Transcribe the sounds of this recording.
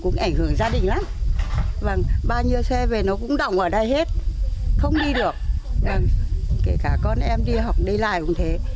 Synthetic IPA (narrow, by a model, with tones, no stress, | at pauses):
kʊ̰˧˥ŋ͡mʔa˧˩jŋ̟hɨ˧˩əŋzaː˧ɗï˨˩ŋ̟la˨˦m | va˨˧˩ŋɓaː˧wɲi˧əwsɛ˧ve˨˩nɔ˨˦kʊ̰˧˥ŋ͡mɗə̰˧˨wŋ͡mʔəː˧˩ɗa˧jɦe˦˥t̚xə˧wŋ͡mɗi˧ɗɨ˨˩ək̚va˧˩ŋke˧˩kaː˧˩kɔ˧nʔɛ˧mɗi˧ɦɔ˨˩wk͡p̚ɗi˧la̰ː˧˨jʊ̰˨˩ŋ͡mt̪ʰe˨˦